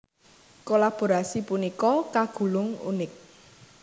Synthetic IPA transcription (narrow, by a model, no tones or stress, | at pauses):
kolab̥o̤ɾasipunikɔkaɡ̥ṳlʊŋṵnɪk̚